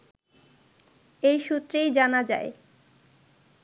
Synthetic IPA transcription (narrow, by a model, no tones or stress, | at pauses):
ejʃut̪ːɾejd͡ʑanad͡ʑa̰e